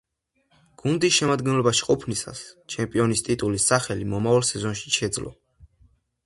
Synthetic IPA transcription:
ɡ̥und̪isʃɛmad̪ɡɛnlɔbaʃi̥qʼɔpʰnisa̰st͡ʃʰɛmpʼiɔnist̪ʼit̪ʼulisːaχɛlimɔmavalˠsɛzɔnʃi̥ʃɛd̪zlɔ̰

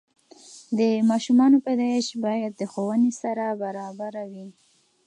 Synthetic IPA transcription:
d̪əmɑʃumɑnopad̪ɑɪʃbɑjad̪̚ːəxowənesaɾabaɾɑbaɾawi

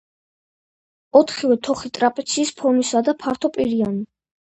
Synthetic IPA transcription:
ɔt̪ʰχiwɛt̪ʰɔχit̪ʼɾapʼɛt̪sʰiːspʰɔɾmisad̪apʰaɾt̪ʰɔpʼiɾiani

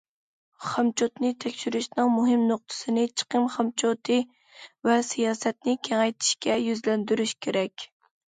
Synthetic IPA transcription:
χɑmt͡ʃʰot̪nɨt̪ʰɛkʲʃyɾyʃnɨŋmuɦɨmnoq̚t̪ʰɨ̥sɨnɪt͡ʃʰə̥qəmχɑmt͡ʃʰot̪ʰɨ | vɛsijɑːsɛt̪̚nɪkʲʰɛŋɛjt̪ʰi̥ʃkʲɛjyzlɛnd̪yɾyʃkʲʰeɾɛkʲ

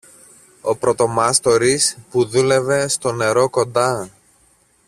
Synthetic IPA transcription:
o̞pɾo̞t̪o̞mɐst̪o̞ɾispuðule̞ve̞st̪o̞ne̞ɾo̞ko̞nd̪ɐ

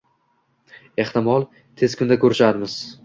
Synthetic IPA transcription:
e̞ht̪ɪmɒlˠ | t̪ʰez̥kʰʲʊnd̪akʰɵɾɪʃad̪ɪmɪz̥

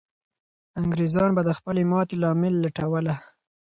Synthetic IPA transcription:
aŋɡɾezɑnbad̪əxpəlemɑt̪elɑmɪlːaʈawəla

